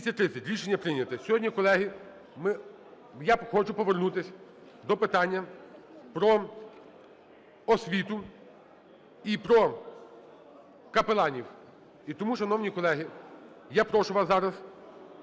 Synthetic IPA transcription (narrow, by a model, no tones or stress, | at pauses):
isʲɐt̚ʲt̪ɾɪsʲɐtʲɾʲiʃenʲːɐpɾɪnʲɐt̪ɪsʲɔɦɔdʲnʲikɔlˠɛɦi | mɪ | jaxɔt͡ʃʊpɔʋernut̪ɪsʲ | d̪ɔpɪt̪ɑnʲːɐpɾɔ | ɔsʲʋʲit̪ʊ | ipɾɔ | kɐpelˠɑnʲiw | it̪ɔmuʃɐnɔwnʲikɔlˠɛɦi | japɾɔʃʊʋɑsɑɾɐs